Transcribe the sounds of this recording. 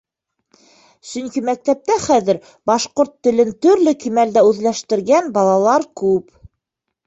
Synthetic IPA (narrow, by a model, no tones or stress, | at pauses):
sɵŋkimæk̚t̪æp̚t̪æχæðɘɾ | bɑʃqoɾt̪ːɘ̆lɘnt̪ɵ̆ɾlɘkimæld̪æʉðlæʃt̪ɘ̆ɾɡænbɑlˠɑlˠɑɾkʉp